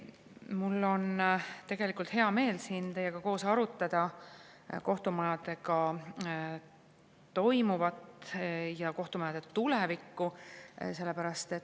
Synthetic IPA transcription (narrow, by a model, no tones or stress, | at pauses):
mulːo̞nt̪e̞ɡ̥e̞likˑult̪heɑme̞ːlsiːnt̪e̞jːeɡ̥ɑko̞ːsɑɾut̪ːˑɑd̪̥ɑ | ko̞ht̪umɑjɑd̪e̞ɡɑ | t̪o̞jmuvɑt̪ˑjɑko̞ht̪umɑjɑd̪̥et̪ulevikːˑuse̞lːe̞pæɾɑst̪e̞t̪ː